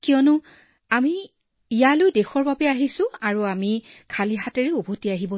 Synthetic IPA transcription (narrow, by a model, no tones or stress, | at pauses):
kijɔnʊ | ami | ijalʊjdexɔɹbabɛaɦisʊ̃aɹuamikʰaliɦatɛɹeubʱotiaɦibɔ